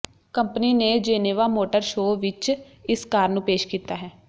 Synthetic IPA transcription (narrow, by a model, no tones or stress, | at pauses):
kəmpniːned͡ʒeːneːʋaːmoːʈəɾʃoːʋɪt͡ʃ | ɪskaːɾnũːpeːʃkiːt̪aːɦɛː